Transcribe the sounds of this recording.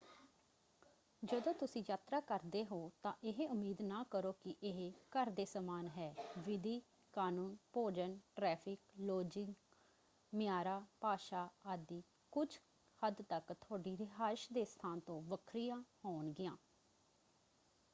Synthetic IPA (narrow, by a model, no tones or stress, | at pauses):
d͡ʒəd̪õːt̪ʊsĩːjaːt̪ɾaːkəɾd̪eːɦoːt̪ãːʔɪɦeʊmiːd̪naːkəɾoːkɪʔɪɦkəɾd̪eːsəmaːnɦɛːʋɪd̪iː | kaːnuːnpoːd͡ʒənʈɾɛːpʰɪkloːd͡ʒɪŋɡ | mɪjaːɾaːpaːʃaːaːd̪iː | kʊd͡ʒʰ | həd̪t̪əkt̪ʰʊaːɖiːɾɪɦaːʃd̪eːst̪ʰaːnt̪õːʋəkʰɾɪjãːhoːnɡɪjãː